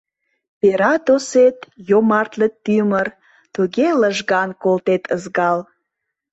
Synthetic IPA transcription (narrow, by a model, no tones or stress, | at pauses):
peɾɑt̪oset̪jomɑrt̪lət̪ːymər | t̪uɣeləʒɣɑnkolt̪et̪ʰəzɣɑl